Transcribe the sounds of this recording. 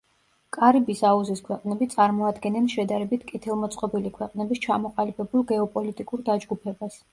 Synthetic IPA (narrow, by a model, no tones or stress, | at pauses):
kʼaɾibisauziskʰwɛqʼnɛbit̪sʼaɾmɔad̪ɡɛnɛnʃɛd̪aɾɛbit̪ʰkʼɛt̪ʰɛlˠmɔt̪sʼqʼɔbilikʰwɛqʼnɛbist͡ʃʰamɔqʼalibɛbulˠɡɛɔpʼɔlit̪ʼikʼuɾd̪ad͡ʒɡupʰɛbas